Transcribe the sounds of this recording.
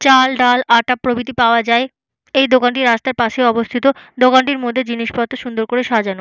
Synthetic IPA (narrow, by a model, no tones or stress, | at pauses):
t͡ɕalɖalaʈapɾobit̪ipaoad͡ʑae | ejd̪okaɳʈiɾast̪aɾpaʃeɔbost̪ʰit̪od̪okaɳʈiɾmod̪ʱːed͡ʑiniʃpat̪ːoʃund̪oɾkoɾeʃad͡ʑano